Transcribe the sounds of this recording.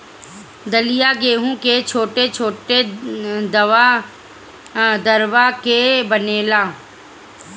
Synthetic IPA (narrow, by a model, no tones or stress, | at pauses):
d̪əlɪjaɡeːɦũket͡ʃʰoːʈet͡ʃʰoːʈed̪ɐʋa | d̪əɾʋakebəneːlaː